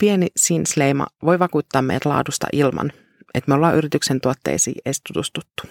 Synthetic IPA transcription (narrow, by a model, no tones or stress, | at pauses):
pienisinslejmɑ̰ʋo̞jʋɑkuːt̪ːɑːmḛjæt̪lɑ̰ːdust̪ɑ̰ʔilmɑ̰n | ʔet̪meolːɑːʔyɾit̪yksent̪uot̪ːḛːsḭːʔejst̪ut̪ust̪ut̪ːu̥